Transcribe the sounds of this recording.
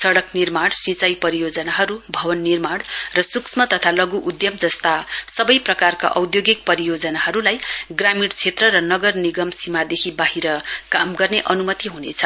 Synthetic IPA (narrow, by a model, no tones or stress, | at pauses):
sʌɽʌknirmaɽsĩt͡sʌjpʌɾijod͡zʌnaɦʌɾubʱʌbʌnːirmaɽrʌsuksmʌt̪ʌt̪ʰalʌɡuʔud̪jʌmd͡zʌst̪asʌbʌjprʌkarka̰ʔʌwd̪joɡik̚pʌɾijod͡zʌnaɦʌɾulajɡramiɽt͡sʰet̪rʌɾʌnʌɡʌrniɡʌmsimad̪ekʰibaɦiɾʌkamɡʌrneʔʌnumʌt̪iɦunḛt͡sʰʌ